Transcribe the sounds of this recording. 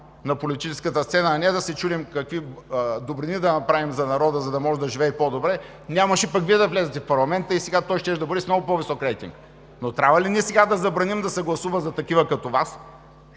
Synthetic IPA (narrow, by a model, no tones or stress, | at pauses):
nɐpolit̪it͡ʃɛskət̪əst̪sɛnaːnɛd̪ɐsɛt͡ʃulimkɐkvid̪obɾinid̪ɐnɐpɾavimzɐnɐɾɔd̪əzɐd̪ɐmɔʒɛd̪ɐʒivɛːpod̪obɾɛ | nʲaməʃɛpɐkviɛd̪ɐvlʲɛzɛt̪ɛfpɐɾlˠɐmɛnt̪əisɛɡat̪ɔjʃt̪ɛʃd̪ɐbuɾismnɔɡʊpovisɔkɾɛjt̪ḭŋk | not̪ɾʲavəliniɛsɛɡad̪ɐzɐbɾɐnimd̪ɐsɛɡlˠɐsuvəzɐt̪ɐkivəkɐt̪ovas